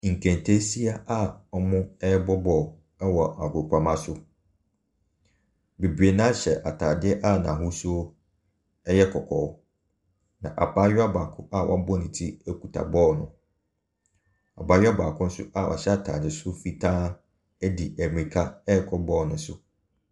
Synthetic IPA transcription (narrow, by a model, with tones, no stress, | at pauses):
ŋ̩˨kʰɛ̃˨ntʰe˦si˦a˦a˦ɔ˦mʊ̃˦ɛ˦bɔ˦bɔː˨ | ɛ˦wɔ˨a˨ɡʊ˨kʷʰa˨mã˦sʊ˦ | be˨bɥe˨nã˦ɕɛ˨ʔa˨tʰaː˨dɪ˦ɛ˦ʔa˦nã˨ɦʊ˦su˦o˦ | ɛ˦jɛ˦kʰɔ˨kʰɔː˨˦ | nã̰˨ʔa̰˨baː˦ɥᶣa˦baː˨kʰʊ̃˦ʔa˦˨wʔɔ˦bɔ˦nĩ˨tʰi˦ɛ˦kʰu˨tʰa̰˨bɔː˦nʊ̃˨ | a̰˨paː˨˦ɥᶣa˦baː˨kʰʊ̃˦n̩˦sʊ̰˦ʔa˦wʔa̰˨ɕɛ˦a˨tʰa̰ː˨dɪ˨sʊ˦fi˦tʰãː˦ | æ˦di˨æ˨mĩ˨kʰa˦ɛ˦kʰɔ˦bɔ˦˨nʊ̃˨˦sʊ˦